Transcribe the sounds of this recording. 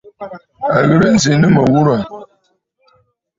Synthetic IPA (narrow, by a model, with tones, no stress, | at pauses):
a˨ɣə˦ɾə˦n̩˦zi˨nɨ˦mə˨wu˦ɾa˨